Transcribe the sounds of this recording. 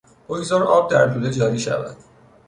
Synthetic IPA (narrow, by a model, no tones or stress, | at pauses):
ojzɒɾɒːb̚d̪æɾt̪ʰuːled͡ʒɒːɾiːʃæ̰væ̰d̪̥